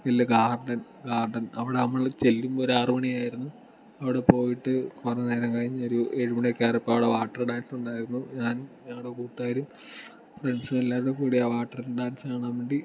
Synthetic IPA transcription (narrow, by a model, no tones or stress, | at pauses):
elːɐɡaːrɖɐn | ɡaːrɖɐnɐʋiɽeɐmːɐɭt͡ɕelːumoɾaːrɨmɐɳiaːjiɾunːu | ɐʋiɽe̞po̞ːjiʈːɨkorɐneːɾɐŋkɐɻiɲːɐo̞ɾueɻuminekʲːaːɾipːoːɐʋiɽeʋaːʈːɐrɖaːnsuɳɖaːjiɾunːuɲaːnɲɐŋːɐɽekuːt̪ːaːjiɾum | freɳɖsumelːaːʋiɽekuːɽijaːʋaːʈːɐrilɖaːnsaːɳaːmʋeːɳɖi